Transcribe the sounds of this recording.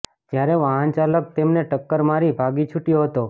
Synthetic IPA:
d͡ʒjaɾeʋaɦant͡ʃalək̚t̪emneʈəkːəɾmaɾibʱaɡit͡ʃʰuʈijoɦət̪o

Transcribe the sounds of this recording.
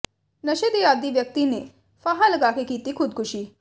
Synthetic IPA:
nəɕed̪iad̪iːʋjək̚t̪ine | faɦaləɡakekit̪iːkʰud̪̚kuɕiː

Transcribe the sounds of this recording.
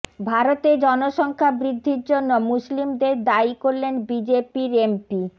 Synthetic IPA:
bʱaɾot̪ed͡ʑɔnoʃɔŋkʰabɾid̪ʱːiɾd͡ʑonːomuslimd̪eɾd̪aikoɾlenbid͡ʑepiɾempi

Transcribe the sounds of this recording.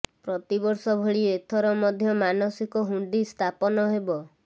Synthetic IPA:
pɾɔt̪ibɔɾsɔbʱeɭiet̪ʰɔɾɔmɔd̪ʱjɔmanɔsikɔɦuɳɖist̪ʰapɔnɔɦebɔ

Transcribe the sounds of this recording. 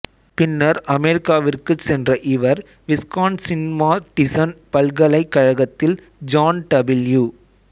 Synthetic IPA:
pɪnːɐɾɐmɛɾɪkːaːʋɪrkɯsɛndrɐʔɪʋɐɾ | ʋɪskaːnsɪnɪmaːʈɪsɐnpɐlɣɐɭɐɪkːɐɻɐɣɐt̪ːɪl | d͡ʒaːnɖɐbɪljuː

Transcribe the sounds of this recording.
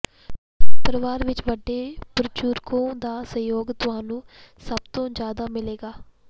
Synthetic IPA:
pəɾəʋaːɾʋɪt͡ʃʋəɖːeːpəɾt͡ʃuːɾkõːd̪aːsə̃joːɡt̪ʊɦaːnũːsəbt̪õːd͡ʒjaːd̪aːmɪleːɡaː

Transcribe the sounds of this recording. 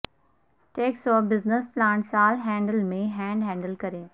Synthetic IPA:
ʈeːksɔːfbɪznəsplãːɳʈsaːlɦɛ̃ːɳɖəlmẽɦɛ̃ːɳɖɦɛ̃ːɳɖəlkɐɾẽː

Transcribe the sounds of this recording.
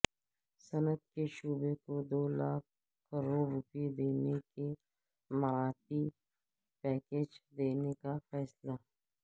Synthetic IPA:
sɐnət̪̚keʃuːbekod̪oːlaːk̚ | kɐɾoːɾɾʊped̪eːneke | mɐɾaːt̪i | pɛːkeːd͡ʒd̪eːnekafɛːsla

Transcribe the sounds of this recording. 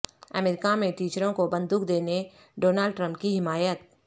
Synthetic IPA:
ə̰mɛɾɪkamẽʈiːt͡ʃɾõkobə̃nd̪uːkd̪eːne | ɖoːnaːlɖʈɾə̃mp̚kiɦɪmaːjət̪̚

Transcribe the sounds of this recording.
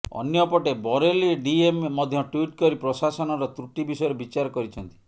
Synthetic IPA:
ɔ̰njɔpɔʈebɔɾeliɖiemːɔd̪ʱjɔʈwiʈkɔɾipɾɔsasɔnɔɾɔt̪ɾuʈibisɔjɾebit͡ʃaɾɔkɔɾit͡ʃʰɔnt̪i̥

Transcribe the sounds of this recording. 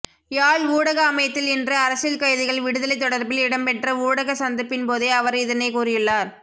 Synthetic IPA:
jaːɭuːɽɐɣɐːmɐjɐt̪ːɪlɛndrɯɐɾɐsɪlkɐjðɪɣɐɭʋɪɽɯðɐlɐɪt̪̬ːɔɽɐɾbɪlɪɽɐmpɛʈrɐuːɽɐɣɐsɐnd̪ɪpːɪnpoːðeɐʋɐɾɪðɐnɐɪkuːrɪjɯɭːaːɾ

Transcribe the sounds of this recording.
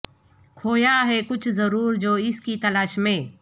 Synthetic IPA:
kʰoːjaɦɛkʊt͡ʃʰzɐɾuːɾd͡ʒoːɪskit̪ɐlaːʃmẽː

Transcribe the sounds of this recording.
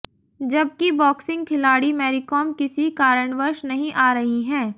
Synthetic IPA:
d͡ʒɐb̚kibɔːksɪ̃ŋɡ̚kʰɪlaːɽimɛːɾɪkoːmkɪsikaːɾəɳʋəɾʃnɐɦĩʔaːɾɐɦiɦɛ̃ː

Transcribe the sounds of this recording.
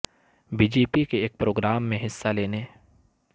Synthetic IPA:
biːd͡ʒeːpikeeːk̚pɾoːɡɾaːmːẽɦɪsːaleːne

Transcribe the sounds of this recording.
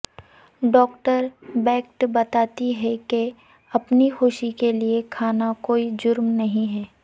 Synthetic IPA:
ɖɔːkʈəɾbɛːk̚ʈbɐt̪aːt̪iɦɛke | ɐpnixʊʃikeliekʰaːnakoːid͡ʒʊɾmnɐɦĩɦɛː

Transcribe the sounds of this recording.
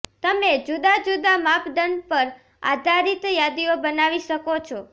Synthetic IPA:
t̪əmed͡ʒud̪ad͡ʒud̪amapɖənpəɾ | a̰d̪ʱaɾit̪jad̪iobənaʋiʃəkot͡ʃʰɔ

